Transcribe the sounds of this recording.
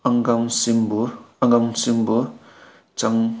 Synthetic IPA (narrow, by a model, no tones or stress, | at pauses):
aŋɡamsimbuaŋɡamsimbu | t͡ʃaŋ